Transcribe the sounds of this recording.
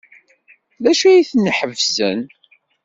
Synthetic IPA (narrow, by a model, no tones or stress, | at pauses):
læʃæjiθnːəħəvzə̰n